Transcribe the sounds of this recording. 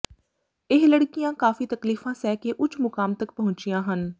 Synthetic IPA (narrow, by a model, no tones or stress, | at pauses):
ɪɦləɽkijãːkaːfit̪ɐkliːfãːsɛːkeʔʊt͡ʃʰmʊkaːmt̪ək̚pɐɦʊ̃ɲt͡ʃijãːɦən